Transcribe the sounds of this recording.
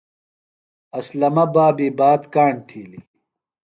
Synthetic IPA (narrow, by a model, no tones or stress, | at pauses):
ɐslɐmɐbaːbiːbaːt̪kaːɳt̪ʰiːlḭ